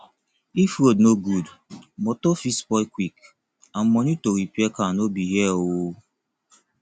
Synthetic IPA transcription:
ifodnoɡudmɔtofispɔkʷwik | an̩mɔɲitoɾipiekanobiɦjɛoo

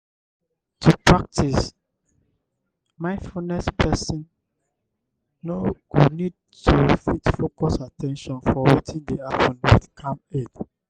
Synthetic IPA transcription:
tʰupɹak̚tʰis | mãɪ̃nfunɛspʰɛsɔ̃n | noɡ̥udnid̚ | tʰufitfokɔsatʰɛ̃nʃɔ̃nfɔwetʰĩndeaftɔ̃natkʰãmed

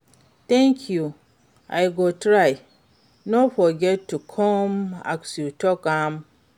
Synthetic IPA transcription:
t̪ɛ̃ŋkʰju | a̰jɡotʰɾaɪ | nofɔɡɛtʰːukʰɔ̃ma̰ksjutʰɔkãm

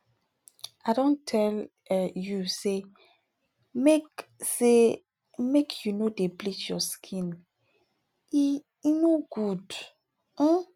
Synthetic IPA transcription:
aɾɔ̃ntʰɛl | juse | mekse | mekʰjunodeblikjɔskʰĩn | i | inoɡud̩

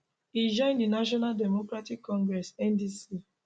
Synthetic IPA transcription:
id͡ʒɔ̃ɪ̃ndinaʃ̬ɔnaldɛmokɾatikːɔ̃ŋɡɾɛsɛ̃ndisi

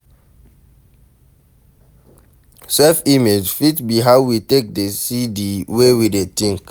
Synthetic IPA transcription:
sɛfimed͡ʒfitbiɦaʊwitek̚desidiwewidetĩŋk

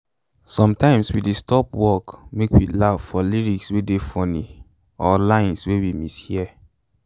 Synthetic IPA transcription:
sɔ̃mtãɪ̃mswidestɔpwɔkmekwilav̥fɔliɹikswedefɔni | ɔlãɪ̃nswewimishiɛ

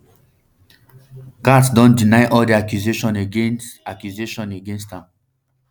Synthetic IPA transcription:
katsdɔ̃ndinaɪʔɔldiakjuzeʃɔ̃neɡẽnakjuzeʃɔ̃neɡẽnstãm

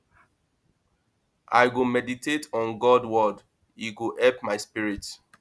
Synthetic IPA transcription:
ʔa̰ɪɡomɛditetʰɔ̃nɡɔdwɔd | iɡoʔɛpmaɪspiɹit

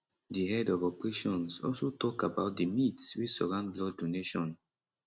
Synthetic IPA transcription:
dihɛdɔvɔpɹeʃɔ̃nsɔ̰lsotʰɔkabaʊt̚dəmitswisɔɹãʊ̃ndlɔdoneʃɔ̃n

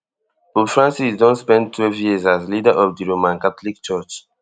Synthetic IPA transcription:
bobfɹãnsisdɔ̃nspɛ̃ndtʰwɛlvjiəzazlidaʔɔvdiɹomãnkatɔlik̚t͡ʃɜt͡ʃ

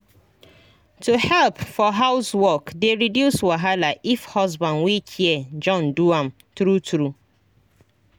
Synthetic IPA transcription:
tuhɛlpfɔɦaʊswɔkdeɾidjuswaɦalaʔifhɔzbãnwikʰied͡ʒɔ̃nduãm | tɾutʰɾu

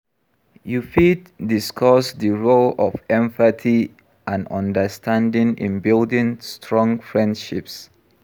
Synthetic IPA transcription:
jufitdiskʰɔsdiɹolɔfɛ̃ɱfətʰi | ʔãnɔ̰̃ndəstʰãndĩŋḭ̃nbildĩŋstʰɹɔ̃ŋfɹɛ̃ndʃips

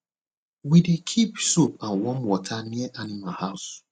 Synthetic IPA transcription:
widikʰipsopan̩wɔm̩wɔtʰanieʔanimahaʊs

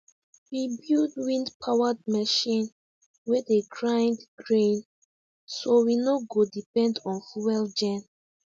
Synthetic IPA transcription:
wibildwĩndpʰawad̚mɛʃĩn | wɛdeɡɹãj̃ndɡɹẽn | sowinoɡodipɛ̃ndɔ̃nfuwɛld͡ʒɛ̃n

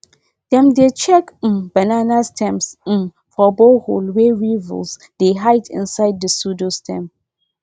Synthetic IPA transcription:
d̥ɛ̃mdet͡ʃɛk̩bananastʰɛ̃ms̩ | fɔboholwɛɹiv̰ls | d̥eɦaɪtʰɪ̰̃nsaɪd̚dəsudostʰɛ̰̃m

